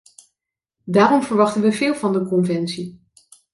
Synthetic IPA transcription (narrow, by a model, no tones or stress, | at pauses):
daːrɔmvəɹʋɑχtənʋəvɪːlˠvɑndəkɔnvɛnsi